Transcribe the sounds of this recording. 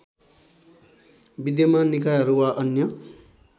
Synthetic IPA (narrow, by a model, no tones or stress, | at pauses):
bid̪jʌmanikajɦʌɾuwaʔʌnjʌ